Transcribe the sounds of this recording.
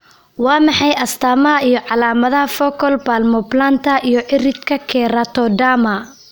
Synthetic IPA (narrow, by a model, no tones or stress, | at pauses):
wɑːmɑħɑjʔɐst̪ʰaːmɐɦɐijɔʕɑlaːmɐðɐhɐfɔkʰɔlbaːlmɔblant̪ʰɐʔijɔʕɪrɪd̪kʰɐkʰɛːɾɐt̪ʰɔɖaːmɐ